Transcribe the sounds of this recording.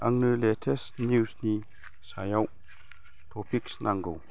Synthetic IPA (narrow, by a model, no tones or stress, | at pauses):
ʔaŋnəlɛtʰesnuːsni | sajaw | t̪ʰopʰiksnʔaŋɡow